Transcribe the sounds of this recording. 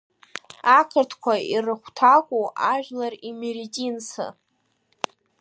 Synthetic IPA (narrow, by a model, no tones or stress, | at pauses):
akʰɨrtʰkʷʰairɨχʷtʰakʷʼoʔaʒᶣlarimeɾitʲʼinsʰɨ̰